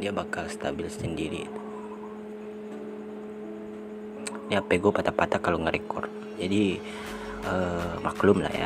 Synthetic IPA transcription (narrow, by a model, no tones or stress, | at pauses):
diabakalst̪abɪlsə̥səndiɾḭːt̪u̥ | napeɡopat̪apat̪akaloŋəɾekɔ̰rt̚ | d͡ʒadi | əmaklʊmla̰hja̰